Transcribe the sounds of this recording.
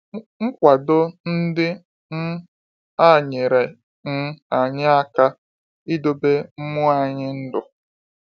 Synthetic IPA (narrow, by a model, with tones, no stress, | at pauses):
ŋ̩˦kʷa˨dʊ˦n̩˦dɪ˦ | n̩˦ | a˦˨ɲe˨ɾe˨ | ŋ̩˦a˨ɲɪ˦a˦ka˦ | i˦do˦be˦m̩˦mʊ˦a˨ɲɪ˦n̩˦dʊ˨